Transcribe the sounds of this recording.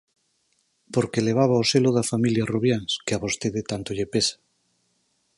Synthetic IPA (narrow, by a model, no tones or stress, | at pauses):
poɾkeleβ̞aβ̞aoseloðafamiljaruβjanskeaβost̪eðet̪ant̪oʎepesḁ